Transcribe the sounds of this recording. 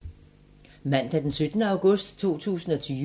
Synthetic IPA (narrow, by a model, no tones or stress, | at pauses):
mæn̰d̥æd̥ensød̥nəɑ̈ʊɡ̥ɔ̽sd̥t͡sʰo̝̰ːt͡sʰṵːsn̩ɒ̽t͡sʰyː